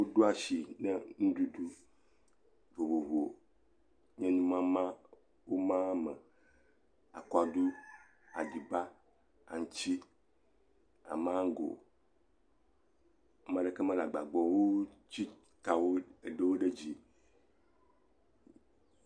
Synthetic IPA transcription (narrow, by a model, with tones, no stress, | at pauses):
wo˦ɖo˦a˨ʃi˨nɛ˦nũ˦du˦du˦ | vo˨bo˨vu˨o˨ | ɲɛ̃˦nũ˦mã˦mã˦ | wo˦mã˦mɛ˨ | a̰˨kɔ˦a˨du˦ | a̰˨di˨ba˦ | a̰˨ŋ̩˨t͡ʃi˦ | a̰˨mã˦ŋ̩˦ɡo̰˨˦ | mã˦ɖe˦˨ke˦mã˦la˨ɡ͡ba˨ɡ͡bɔ˨wo˦t͡ɕi˦ | t̪a˨wo˦e˨ɖe˦wo˦ɖe˦d͡ʑi˨